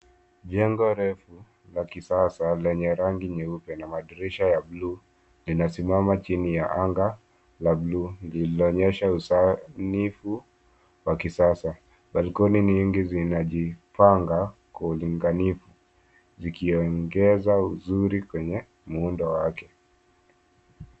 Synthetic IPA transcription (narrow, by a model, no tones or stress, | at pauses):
ʄɛŋɡɔɾɛfu | lakisasalɛɲɛɾaŋɡiɲɛupɛnamaɗiɾiʃajabluː | linasimamat͡ʃinijaʔaŋɡa | labluːlillɔɲɛʃausanifu | wakisasa | ɓalikɔniniŋɡizinaʄipaŋɡa | kauliŋɡanifu | zikiɔŋɡɛzauzuɾikwɛɲɛ | muundɔwakɛ